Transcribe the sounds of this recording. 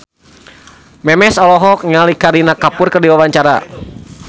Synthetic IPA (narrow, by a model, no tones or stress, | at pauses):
mɛmɛsɔlɔɦɔk̚ŋalikaɾinakapʊrkərdiwawaɲt͡ʃaɾa̰